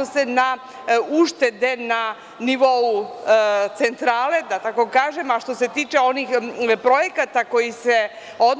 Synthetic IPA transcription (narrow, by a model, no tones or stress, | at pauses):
osena | uʃt̪e̞d̪e̞na | niʋo̞u | t̪se̞nt̪ɾaːle̞d̪at̪ako̞kaːʒe̞maʃt̪o̞se̞t̪iːt͡ʃeo̞nixpɾo̞jekat̪ako̞jise | o̞d̪